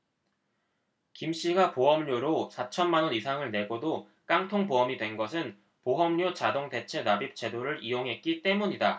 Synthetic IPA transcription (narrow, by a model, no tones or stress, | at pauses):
kimɕ͈iɡapoʌmɲoɾosʰat͡ɕʰʌnmanwʌnisʰaŋɯɭne̞ɡodo | k͈aŋtʰoŋpoʌmidwe̞nɡʌsʰɯn | poɦʌmɲot͡ɕadoŋde̞t͡ɕʰe̞nabip̚t͡ɕ͈ʰe̞doɾɯɾijoŋɦe̞t̚k͈it͈e̞muɲida